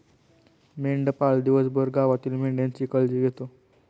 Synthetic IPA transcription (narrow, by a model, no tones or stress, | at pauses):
meɳɖpald̪iʋəsbəɾɡaʋat̪iːlmeɳɖjãnt͡ɕiːkəld͡ʑiːɡʱet̪o